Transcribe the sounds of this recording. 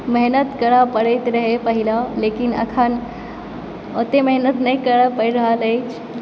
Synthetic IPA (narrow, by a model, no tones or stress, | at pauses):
məɦnət̪kəɽapəɽejt̪ɾəɦepəɦilaleːkinɐ̰kʰan | ot̪eməɦnət̪nɐĩkəɽapəɾiɾəɦaləet͡ʃ